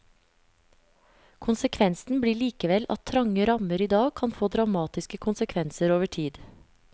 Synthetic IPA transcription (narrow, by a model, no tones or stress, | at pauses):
kʰʊnsəkʰʋɛnsn̩bɽiːɭiːkəʋɛlʔɑ̰t̪ʰɾɑŋəɾɑməɾiːd̪ɑːɡ̚kʰɑnfoːd̪ɾɑmɑːt̪ɪskəkʰʊnsəkʰʋɛnsəɾoːʋəʈʰiːd̪